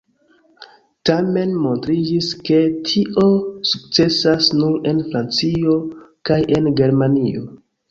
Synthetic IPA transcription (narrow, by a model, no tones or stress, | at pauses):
tame̞nmo̞ntɾid͡ʒiske̞tʰiʔo̞suk̚t͡se̞sasnuɾe̞nfɾant͡sio̞kaje̞nɡe̞ɾmanio̞